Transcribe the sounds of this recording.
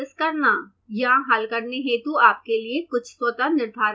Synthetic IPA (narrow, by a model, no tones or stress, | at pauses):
ɪskɐɾna | jɐɦãɦɐlkɐɾneɦɛ̃t̪uaːp̚keliekʊt͡ʃʰswɐt̪anɪɾd̪ʱaːɾ